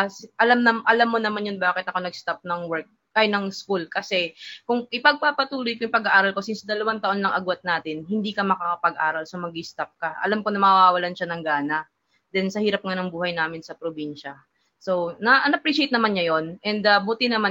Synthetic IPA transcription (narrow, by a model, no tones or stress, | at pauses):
sʔɐlamɐmʔɐlamːonɐmanjonbaːkɪt̪ːɐko̞nɐɡst̪ap̚nɐŋwɛɹk̚ː | ajnɐŋskulkɐsɛkʊŋʔɪpɐɡ̚pɐpɐt̪uːlojkjʊŋpɐɡaʔaːɾɐlko̞sɪnsd̪ɐlɐwant̪ɐʔo̞nlɐŋʔɐɡwɐt̪̚naːt̪ɪnhɪnd̪iːkɐmɐkakɐpɐɡʔaːɾɐlsomɐɡ̚ist̪ap̚kɐʔɐ̰lamkoŋnɐmaːwaːwɐlanʃanɐŋɡaːnɐ | d̪ɛnsɐhiːɾɐp̚ŋanɐŋbuːhɐjnaːmɪnsɐpɾobinʃɐ | sonɐʔɐnɐpɾiːʃejt̪̚nɐmanɲɐjo̞nʔɛnd̪ɐbuːt̪ɪnɐman